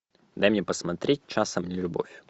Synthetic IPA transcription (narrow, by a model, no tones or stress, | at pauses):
d̪ajmnʲepɐsmɐt̪ɾʲet̚ʲt͡ʃasɐmnʲɪlʲʊbo̰fʲjʊ